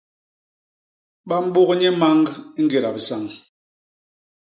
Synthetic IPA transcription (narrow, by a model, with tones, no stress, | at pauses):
ɓa˦m̩˦ɓo˦kɲɛ˦ma˦ŋ˦ŋ̩˦ɡe˨ɾa˨bi˨sa˦˨ŋ